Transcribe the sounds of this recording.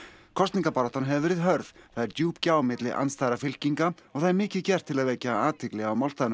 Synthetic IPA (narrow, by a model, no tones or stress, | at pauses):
kʰɔst̪niŋkapaɾaht̪ɔnɦɛvɪvɛːɾɪðɦœɾð̥θaðɛɾt̪juːpcaːwmɪt̪lɪʔa̰nst̪aːjɾafɪl̥ciŋkaɔɣθaðɛɾmɪːcɪðcɛr̥t̪ʰːɪlaðvɛjcaaːt̪ʰɪklɛɣaawmawlst̪aðn